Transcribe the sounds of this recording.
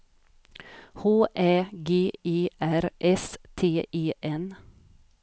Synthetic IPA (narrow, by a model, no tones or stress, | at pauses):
hoːʔeːɡeːiːʔæɾʔɛst̪ʰeːʔiːʔɛn